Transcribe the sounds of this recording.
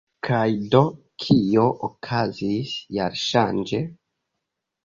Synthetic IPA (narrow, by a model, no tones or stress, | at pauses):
kʰajdo̞ | kʰio̞ʔokʰazisjaɾʃand͡ʒe